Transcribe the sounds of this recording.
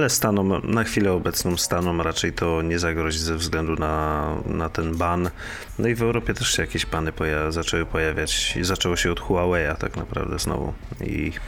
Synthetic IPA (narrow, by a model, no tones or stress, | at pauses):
alɛst̪anɔmnaxfʲilɛɔbɛt̪snɔmst̪anɔmɾat͡ʂɛjt̪ʰɔɲɛzaɡɾɔʑizɛvzɡlɛnd̪unanat̪ɛnban | nɔivɛwɾɔpʲjɛt̪ɛʂɕɛjakʲeɕpanɘpɔjazat͡ʂɛwɘpɔjavʲjat͡ɕzat͡ʂɛwɔɕɛɔt̪xuawɛjat̪akna̰pɾa̰vd̪ɛznɔ̰vṵ | ḭ